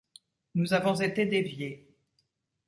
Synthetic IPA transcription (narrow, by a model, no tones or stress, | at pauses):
nuzavɔ̃zet̪ed̪evje